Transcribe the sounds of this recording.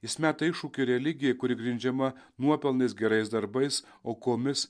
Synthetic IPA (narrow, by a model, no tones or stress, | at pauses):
ɪsʲmʲæːt̪ɐɪʃuːkʲʊɾʲɛlʲɪɡʲɪjɛkʊɾʲɪɡɾʲɪnʲd͡ʒʲɛmɐ | nuɔpʲɛlˠnɐɪsɡʲɛɾɐɪsd̪ɐɾbɐɪs | oːkoːmʲɪs